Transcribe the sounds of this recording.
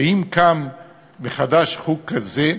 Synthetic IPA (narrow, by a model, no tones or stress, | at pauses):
imkamː | eχad̪aʃχukːaze